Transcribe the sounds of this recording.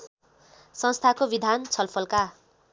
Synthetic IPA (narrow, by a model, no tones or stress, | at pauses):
sʌ̃nst̪ʰakobid̪ʱant͡sʰʌlpʰʌlka